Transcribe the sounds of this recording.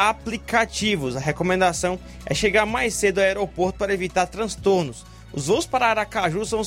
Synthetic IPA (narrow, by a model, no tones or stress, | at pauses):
aplikat͡ʃivʊsɐɦekomẽnd̪asɐ̃w̃ | ɛ̰ʃeɡaɾmajsed̪ʊaɛɾopoɾt̪ʊ̥paɾɐevit̪aɾt̪ɾɐ̃st̪oɾnʊs | ʊzvoʊspaɾɐaɾakaʒusɐ̃w̃